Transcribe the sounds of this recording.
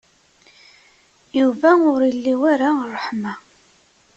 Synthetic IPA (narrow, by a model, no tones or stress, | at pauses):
juvæʊɾilːiwaɾarˤːəħma